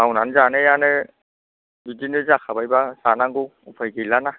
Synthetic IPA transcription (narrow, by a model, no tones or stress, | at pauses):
awnanzanɯjanɯ | bidinɯzakʰabajbasanaŋɡu | upʰajɡelana